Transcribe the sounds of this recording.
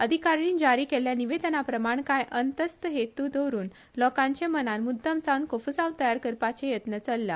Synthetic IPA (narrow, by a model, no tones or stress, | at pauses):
əd̪ʱikaɾiːnd͡ʑaɾiːkeljaniʋed̪ənapɾəmaɳkajʔənt̪əst̪əɦet̪ud̪əwɾuːn | lɔkãɲt͡ɕẽmənanmud̪ʱːəmt͡sankofəsãwt̪əjaɾkəɾpat͡ɕejət̪nət͡səlːja̰